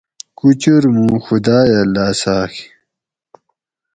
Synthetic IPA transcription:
kut͡ɕuɾmũːxud̪aːjɐlːaːsaːxʰ

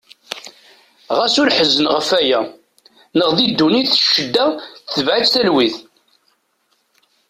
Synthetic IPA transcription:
ʁæsʊɾħəzənʁəfæjæ | nəʁðid̪ːuniθʃːəd̪ːæθəvʕit͡sθælwiθ

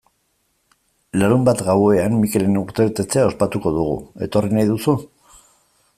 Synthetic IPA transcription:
laɾumbat̪ɣawe̞amːike̞le̞nuɾt̪e̞βet̪e̞t͡se̞ao̞spat̪uko̞ðuɣ̞ṵe̞t̪o̞rinajðusu

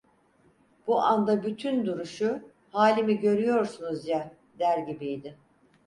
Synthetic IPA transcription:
b̥uʔand̪abyt̪ʰynd̪uɾuʃu | haːlʲimiɟø̞ɾyjo̞ɾsunuzja | d̪æɾɟibijd̪ɪ

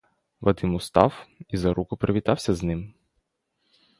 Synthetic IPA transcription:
ʋɐd̪ɪmʊst̪ɑ̰wizɐɾukʊpɾeʋʲit̪ɑwsʲɐznɪm

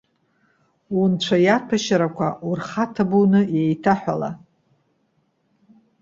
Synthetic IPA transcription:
wunt͡ɕʷʰajapʰaʃaɾakʷʰaurχatʰabunɨjejtʰaħʷᶣala̰

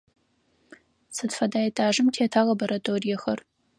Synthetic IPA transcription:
sɨdfɐdaːjɐtʰʼaːʒɨmtʰeːtʰaːlɐboɾɐtʰʼoːrijɐxɐr

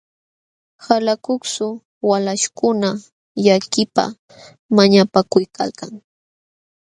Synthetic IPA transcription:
halakʊksʊ | walaʃkʊna | jakɪpa̰ | maɲapakʊjka̰lkaŋ

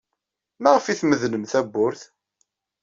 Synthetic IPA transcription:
mæʁəfiθməðnəmθæbːʊɾθ

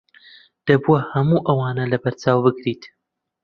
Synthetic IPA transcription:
d̪̥ɐbuɐhɐmuʔɐwaːnɐlɐbɐɾt͡saːwbɨkɾiːt̪

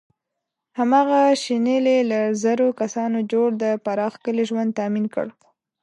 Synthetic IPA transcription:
hamɑɣaʃinelelazaɾokasɑnod͡ʒoɽd̪əpaɾɑxkəleʒwand̪̚t̪aminkə̰ɽ

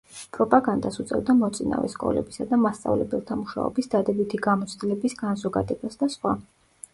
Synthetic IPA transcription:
pʼɾɔpʼaɡand̪asut̪sʼɛ̰vd̪amɔt̪sʼina̰vɛ̰skʼɔ̰lɛ̰bisad̪amast̪sʼa̰vlɛbɛlˠt̪ʰamuʃa̰ɔ̰bisd̪ad̪ɛbit̪ʰiɡamɔt̪sʰd̪ilɛbisɡanzɔɡad̪ɛbasd̪asχwa

